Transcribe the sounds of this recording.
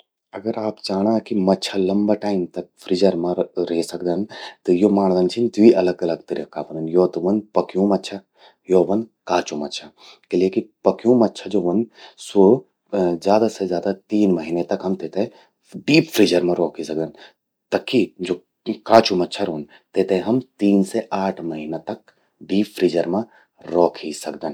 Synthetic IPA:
ɐɡəɾaːpd͡ʒaːɽ̃akimɐtːʃʰalɐmbaʈaːɪmt̪ɐk̚fɾid͡ʒəɾmãɾeːsɐkd̪ant̪ɐjomaːɳ̃d̪ənt͡ʃʰint̪ʋiʔɐlɐɡɐlɐɡ̚t̪ɐɾikaːʋɐnɐnjoːt̪ɐʋɐnpɐkjũmɐtːʃʰa | joːʋɐnkaːt͡ʃumɐtːt͡ʃʰa | kilekipɐkijũːmɐtːʃʰad͡ʒoːʋɐnsoː | zjaːd̪asezjaːd̪at̪iːnmɐɦiːnet̪ɐkɦɐmt̪eːt̪ẽ | ɖiːpfʰɾiːd͡ʒəɾmãɾɔːkʰisɐk̚d̪ɐn | t̪ɐkʰːid͡ʒoː | kãːt͡ʃumɐtːʃʰaɾoːn | t̪eːt̪ẽɦɐmt̪iːnseʔaːʈʰmɐɦiːnat̪ɐk̚ | ɖiːfʰɾiːd͡ʒəɾmã | ɾɔːkʰisɐkd̪ən

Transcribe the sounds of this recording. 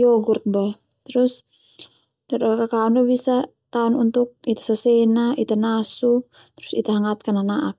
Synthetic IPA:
jɔɡurt̪̚ba | t̪ɾus | dadakakakaundubisa | t̪aɔnunt̪uk̚it̪ḁsasɛnaʔit̪anasu | t̪ɾusḭt̪aɦaŋat̪̚kananaʔap̚

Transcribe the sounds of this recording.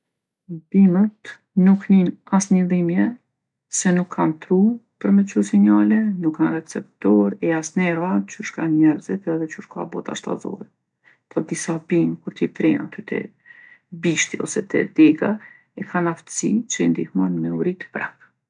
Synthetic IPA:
bimət̪ | nukninasɲəðimjɛ | sɛnukʰːant̪ɾupəɾmɛt͡ʃusiɲalɛnukʰːanrɛt͡sɛp̚t̪ɔɾɛasnɛɾat͡ʃuʃkaɲɛɾzɛt̪ɛðɛt͡ʃuʃka̰bɔt̪a̰ʃt̪a̰zɔ̰ɾɛ | p̪ʰɔd̪isabimkuɾt̪ifɾina̰t̪yt̪ʰɛ̰ | biʃt̪iɔ̰sɛt̪ɛ̰d̪ɛɡa | ɛkʰanaft̪ə̥sit͡ʃəind̪ihmanmɛuɾit̪ə̥pɾa̰k

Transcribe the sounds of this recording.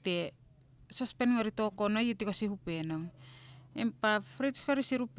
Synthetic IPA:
te̞ | sospenŋoɾito̞konojitikosihupe̞no̞ŋ | ḛmpafɾitskoɾisiɾup

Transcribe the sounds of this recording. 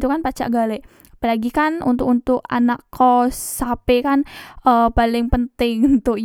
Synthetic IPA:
t̪ukanpat͡ʃa̰ʔɡalɛʔ | apalaɡikanṵnt̪ʊkunt̪ʊka̰nakʰːɔsapekanʔəpalɪŋpənt̪ɪŋunt̪ʊk̚

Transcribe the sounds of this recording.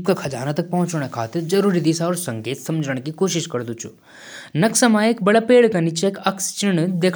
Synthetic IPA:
p̚kakʰɐd͡ʒa̰ːnat̪ɐk̚pɐɦʊ̃t͡ʃɽ̃ekʰaːt̪ɪɾd͡ʒɐɾuːɾid̪isaɔːɾsɐ̃ŋkeːt̪sɐmd͡ʒʱəɽ̃kikoːʃɪʃkɐɾd̪ut͡ʃʰu | nɐksɐmaeːk̚bɐɽapeːɽkanit͡ʃekɐkst͡ʃɪɽ̃d̪eːkʰ

